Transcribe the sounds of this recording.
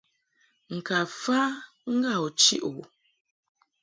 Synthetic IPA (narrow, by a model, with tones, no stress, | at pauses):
ŋ̩˨ka˨fa˦ | ŋ̩˦ɡa˦˨ɔ˨t͡ʃḭ˦ʔu˨